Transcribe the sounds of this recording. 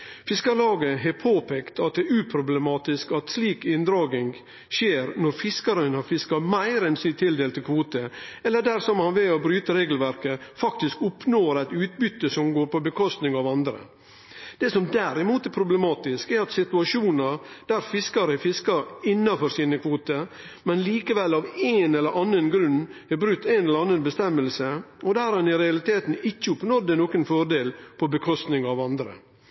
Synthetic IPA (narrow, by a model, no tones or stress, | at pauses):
fɪskɑɾɭɑːɡəɦɛpʰoːpʰeːkt̪ɑt̪̚d̪ɛʉːpʰɾʊblɛmɑːt̪ɪskɑt̪sliːkɪnd̪ɾɑːɡɪŋ | ʃeːɾnɔɾfɪskɑɾənhɑɾfɪskɑmæɪɾɛnsyt̪ʰɪld̪eːlt̪ɪlkʰʋuːt̪əɛlːəɖæɾsɔmhɑnʋɪɔbɾyːt̪əɾeːɡl̩ʋæɾkəfɑkt̪ɪskʊpnoːɾæɪt̪ʉːt̪̚bʏt̪ːəsɔmɡoːɾpɔbəkʰɔst̪nɪŋɑʋɑnd̪ɾə̰ | d̪̥ɛsɔmd̪æɾɪmuːt̪æɾpʰɾʊblɛmɑːt̪ɪskɛɾɑt̪sɪt̪ʉɑʂuːnəɾd̪æɾfɪskɑɾəfɪskɑɾɪnːɑfɔɾsiːnəkʰʋuːt̪ə | mɛnliːkəʋɛlːɑʋeːnɛlːəɾʔɑnːənɡɾʉnɛbɾʉt̪ːæɪnɛləɾɑnːənbəst̪ɛmːəlsəɔd̪æːɾɛnɪɾɛɑlɪt̪ʰeːt̪n̩ɪçːəʊpnɔd̪ənoːkənfɔɾɖeːlpʰɔbəkʰɔst̪nɪŋɑʋɑnd̪ɾə̰